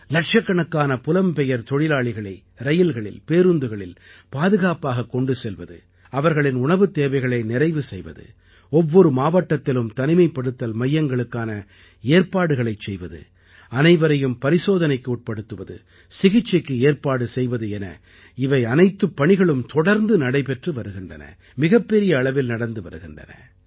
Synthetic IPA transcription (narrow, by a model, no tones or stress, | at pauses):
lɐʈʂɐkːɐɳɐkːaːnɐpʊlɐmpɛjɐɾt̪ɔɻɪlaːɭɪɣɐɭɐɪ | ɾɐjɪlɣɐɭɪ̰lpeːɾɯnd̪ɯɣɐɭɪlpaːðɯɣaːpaːɣɐkːɔɳɖɯsɛlʋɐðɯ̰ | ɐʋɐɾɣɐɭɪnʊɳɐʋɯt̪ːeːʋɐɪɣɐɭɐɪnɪɾɐɪʋɯsɛjʋɐ̰ðɯ̰ | ɔʋːɔɾɯmaːʋɐʈːɐt̪ːɪlɯmt̪ɐnɪmɐɪpːɐɽɯt̪ːɐlmɐjːɐŋɡɐɭɯkːaːnɐ | eːɾpaːɽɯɣɐɭɐɪt͡ʃsɛjʋɐðɯ̰ | ɐnɐɪʋɐɾɐjɯmpɐɾɪsoːðɐnɐɪkːɯuːʈ̚pɐɽɯt̪ːɯʋɐðɯ̰ | sɪɣɪt͡ʃːɐkːɯeːɾpaːɽɯsɛjʋɐðɯɛnɐ̰ | ɪʋɐɪɐnɐɪt̪ːɯpːɐɳɪɣɐɭɯmt̪ɔɽɐɾnd̪ɯnɐɽɐɪpɛʈrɯʋɐɾɯɣɪndrɐ̰nɐ̰ | mɪɣɐpːɛɾɪjɐːɭɐʋɪlnɐɽɐnd̪ɯʋɐɾɯɣɪnɖrɐ̰nɐ̰